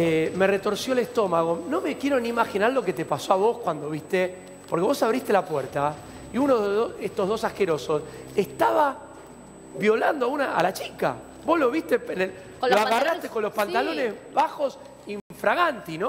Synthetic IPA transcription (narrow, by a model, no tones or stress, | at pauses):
eme̞ret̪o̞ɾsjoelest̪o̞maɣono̞me̞kje̞ɾo̞nimaxinaɾlo̞ke̞t̪epaso̞aβo̞skwand̪oβist̪e | poɾke̞βo̞saβɾist̪elapweɾt̪a | iunoðoest̪o̞ɦðo̞sahkeɾo̞so̞sest̪aβa | βjo̞land̪oaunaa̰lat͡ʃika̰ | bo̞zlo̞βist̪epene | loaɣarast̪ekonlo̞spant̪alo̞nezβaxo̞s | iɱfɾaɣant̪ino